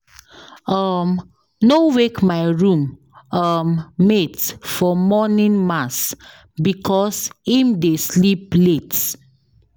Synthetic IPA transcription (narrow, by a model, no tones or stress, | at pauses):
ʌm | nowekmaɪɹũm | ʌmːetfɔmɔnĩnmas | bikʰɔshĩmdesliplet